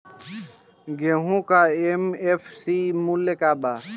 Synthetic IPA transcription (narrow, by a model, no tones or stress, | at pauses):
ɡeːɦũːkaːemeːfʰsiːmulekaːbaː